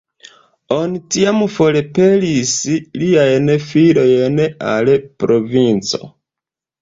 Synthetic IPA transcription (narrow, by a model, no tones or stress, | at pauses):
onitiamfolepelisliajnfilojena̰lepɾovint͡so̰